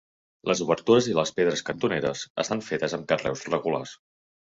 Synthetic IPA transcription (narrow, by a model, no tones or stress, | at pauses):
lʔəzuβəɾt̪uɾəziləspeðɾəskənt̪uneɾə̰zə̰st̪aɱfet̪əzəmkərɛ̰wzrəɣula̰s